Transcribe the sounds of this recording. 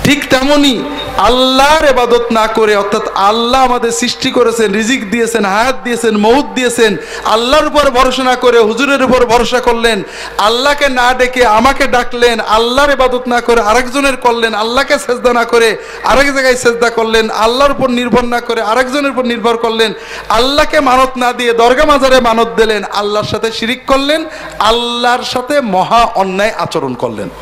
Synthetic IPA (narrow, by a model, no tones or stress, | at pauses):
ʈʰikt̪ɛmoni | alːaɾebad̪ot̪nakoɾeɔt̪ʰːat̪alːaamad̪eɾsɾiʃʈikoɾet͡ɕʰenɾid͡ʑikd̪ijet͡ɕʰenɦajat̪̚d̪ijet͡ɕʰenmout̪̚d̪ijet͡ɕʰen | a̰lːaɾupoɾbʱɔɾʃonakoɾeɦuzuɾeɾupoɾbʱɔɾoʃakoɾlen | alːakenaɖekeamakeɖaklena̰lːaɾebad̪ot̪nakoɾeaɾɛkd͡ʑoneɾkolːenalːakesezd̪anakoɾe | a̰ɾɛkd͡ʑaɡajsezd̪akoɾlena̰lːaɾupoɾniɾbʱoɾnakoɾeaɾɛkd͡ʑoneɾupoɾniɾbʱoɾkoɾlen | alːakemanot̪nad̪ijed̪ɔɾɡamad͡ʑaɾemanot̪̚d̪elena̰lːaɾʃat̪ʰeʃiɾikːoɾlen | alːaɾʃat̪ʰemɔɦaʔɔnːaeʔa̰t͡ɕoɾonko̰ɾlḛn